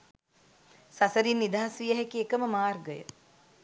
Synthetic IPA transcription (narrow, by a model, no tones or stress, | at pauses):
sasəɾinːid̪aːasʋijəɦekeekəməmaːrɡəjə̰